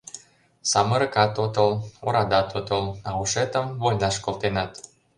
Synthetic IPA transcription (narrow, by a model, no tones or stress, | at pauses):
sɑmə̆ɾə̆kɑt̪ot̪əloɾɑd̪ɑt̪ot̪əlɑuʃet̪əmvojnɑʃkolt̪enɑt̪